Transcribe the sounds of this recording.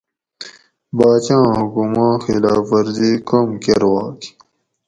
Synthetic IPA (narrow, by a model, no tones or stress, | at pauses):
baːt͡ɕãːɦukumãːxilaːfɐɾziːkomkeɾwaːki̥